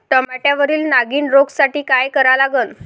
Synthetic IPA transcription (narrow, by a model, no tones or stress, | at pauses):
ʈəmaʈjaʋəɾiːlnaɡiːnɾoɡsaʈiːkajkəɾalaɡən